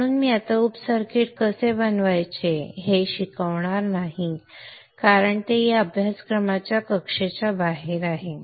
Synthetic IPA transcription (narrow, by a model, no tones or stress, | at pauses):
əɽ̃uːnmiːat̪aupsəɾkiʈ̚kəsebənʋajt͡ɕeɦeɕikəʋɳaɾnaɦĩ | kaɾəɳt̪ejaəbʱjaskɾəmat͡ɕjakəkʂet͡ɕabaɦeɾaɦe